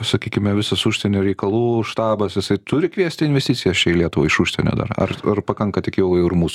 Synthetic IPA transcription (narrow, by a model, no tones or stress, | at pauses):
sɐkʲiːkʲɪmʲɛʋʲɪsɐsuːʃʲsʲenʲɛɾʲɛɪkɐlˠuːʃt̪ɑːbɐsjɪsɐɪt̪ʊɾʲɪkʋʲiɛsʲt̪ʲɪnʲʋʲɛsʲt̪ʲit͡s̪ʲɪjɛst͡ʃʲɛɪlʲiɛt̪ʊʋɐ̰ɪʃuʃʲsʲḛnʲo̰d̪ɐ̰ɾɐ̰rɐrpɐkɐŋkɐt̪ʲɪkʲeːjɛjʊɪrmuːsʊ